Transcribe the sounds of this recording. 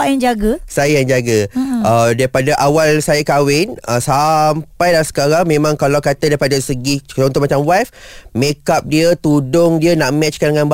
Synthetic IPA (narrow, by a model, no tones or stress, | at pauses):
ajaŋd͡ʒaɡasajəjaŋd͡ʒaɡaədaipadaʔawalsajakawɪnəsampajdaasə̥kaɾaŋmẽmãŋkalawkat̪adaipadasəɡiõnt̪ʊʔmat͡ʃamwafmekap̚diət̪udʊŋdiənaʔmɛt͡ʃkandəŋanba